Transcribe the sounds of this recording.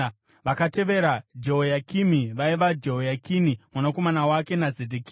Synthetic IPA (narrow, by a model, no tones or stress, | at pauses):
ʋakate̞ʋe̞ɾad͡ʒoɦojakimiʋaiʋad͡ʒeɦojakinimwanako̞manawake̞nazedikiː